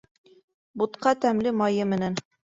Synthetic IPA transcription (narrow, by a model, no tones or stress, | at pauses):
but̪qɑt̪æmlɘmɑjɤmɘ̆næn